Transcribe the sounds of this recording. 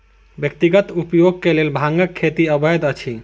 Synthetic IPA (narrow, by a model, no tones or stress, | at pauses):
bjək̚t̪iɡət̪upjoɡ̚kelelbʱaŋɡəkʰːet̪iəbəjd̪ət͡ʃʰi